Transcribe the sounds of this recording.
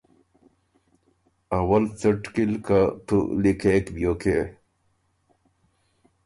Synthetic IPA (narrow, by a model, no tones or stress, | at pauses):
ɐwɐlt͡səʈkilkat̪ṵlikʰekbijokʰe